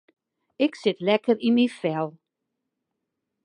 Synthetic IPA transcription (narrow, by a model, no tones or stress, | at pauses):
ɪksɪtlɛkəɾimifɛlˠ